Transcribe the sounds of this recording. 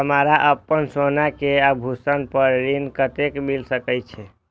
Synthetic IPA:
əmaɾaʔəpːənsonakeabʱusənpəɾɾinkət̪ekmilsəkəjt͡ʃʰɛ

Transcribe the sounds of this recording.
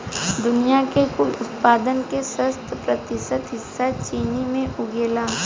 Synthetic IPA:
d̪ʊnijakekʊlʊt̪̚paːd̪ənkesə̃st̪ʰəpɾət̪ɪsət̪ɦɪsːat͡ʃiːnimẽʔʊɡeːlaː

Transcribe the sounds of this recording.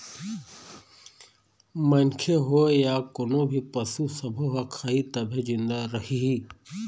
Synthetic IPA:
mənkʰeɦoːjaːkonobʱipəsusəbʱoɦakʰaːit̪ɐbʱẽd͡ʒɪnd̪aɾəhiɦiː

